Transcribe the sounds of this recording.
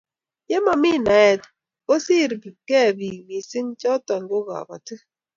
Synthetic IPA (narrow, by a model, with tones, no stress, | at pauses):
je˦ma˨mi˦na˨ɛ˨t | o˦si˦˨ɾbi˨kɛ˦˨bi˨mi˨si˦ŋt͡ʃɔ˦tɔ˨ŋɡo˦ɣa̰˨ba̰˨tɨ˦